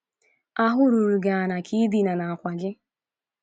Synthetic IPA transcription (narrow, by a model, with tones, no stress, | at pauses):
a˦ɦʊ˦ɾu˨ɾu˨ɡa˨a˨na˨kʰi˦di˦na˨na˨a˨kʷa˨d͡ʒɪ˦